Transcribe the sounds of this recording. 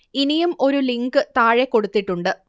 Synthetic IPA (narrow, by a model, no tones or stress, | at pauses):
inijumo̞ɾuliŋɡɨt̪aːɻekːo̞ɽut̪ːiʈːuɳɖɨ